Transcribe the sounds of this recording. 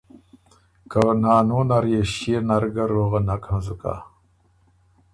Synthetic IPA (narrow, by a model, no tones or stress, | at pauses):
kanaːnuːnaɾjeɕienaɾɡɐɾoɣɐnakʰəmzuka̰